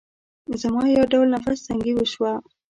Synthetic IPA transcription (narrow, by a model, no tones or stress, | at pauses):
zamɑjawɖawlnafassaŋɡiwəʃwa